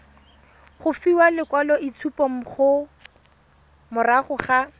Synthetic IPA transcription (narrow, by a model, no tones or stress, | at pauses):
χʊfiwalɪkwalɔit͡sʰupɔm̩χʊ | mʊraχʊχa